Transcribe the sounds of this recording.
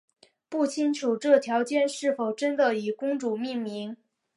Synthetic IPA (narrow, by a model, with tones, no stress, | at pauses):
pu˥˩t͡ɕʰi˥ŋʈ͡ʂʰu˨˩ʈ͡ʂɤ˥˩t̪ʰjɑ˧˥ʊt͡ɕjɛ˥˧nʂɻ̩˥˩fo˨˩ʊʈ͡ʂə˥nd̪ə˨i˨˩kʊ˥ŋʈ͡ʂu˨˩mi˥˩ŋmi˧˥ŋ